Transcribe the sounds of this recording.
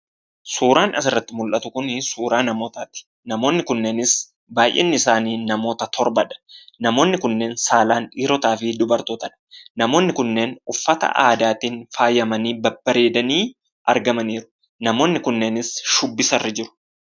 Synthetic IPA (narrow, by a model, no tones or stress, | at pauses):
suːɾaːnʔɐsɪrːɐt̪ːɪmʊlʔɐt̪ʊkʊnsuːɾaːnɐmo̞ːt̪aːt̪ɪ̥ | nɐmo̞ːnːɪkʊnːeːnɪs | baːjʔḛːnːɪɪsaːniːnɐmo̞ːt̪ɐt̪ʰɔɾbɐᶑɐ̥nɐmo̞ːnːɪkʊnːe̞ːnsaːlaːniːɾɔt̪aːfɪd̪ʊbɐɾt̪oːt̪ɐᶑɐ̥nɐmo̞ːnːɪkʊnːe̞ːnʊfːɐt̪ɐ̰ʔa̰ːd̪aːt̪iːnfaːjːɐmɐniːbɐbːɐɾe̞ːd̪ɐniː | ʔɐ̰ɾɡɐmɐniːɾʊ̥ | nɐmo̞ːnːɪkʊnːe̞ːnɪsʃʊbːɪsɐrːɪd͡ʒɪɾʊ̥